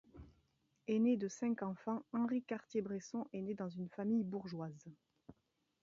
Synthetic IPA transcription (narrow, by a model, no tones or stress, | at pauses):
ened̪əsɛ̃kɑ̃fɑ̃ɑ̃ʁikaʁt̪jebʁesɔ̃ʔened̪ɑ̃zynfamijbuʁʒwaz